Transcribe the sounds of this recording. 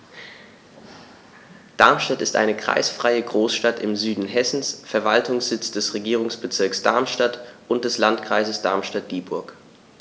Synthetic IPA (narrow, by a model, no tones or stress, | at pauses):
d̥aɐmʃtatɪstʔa̰ɪnəkʁ̥a̰ɪsfʁ̥aɪəɡʁoːsʃtatɪmzyːdn̩ɦɛsn̩sfɛɐvaltʰʊŋsz̥ɪt͡sd̥ɛsʁeɡiːʁ̞ʊŋsb̥ət͡sɪɐksd̥aɐmʃtatʔʊnt̚d̥ɛslantkʁ̥aɪzəsd̥a̰ɐmʃtat̚d̥iːbʊɐk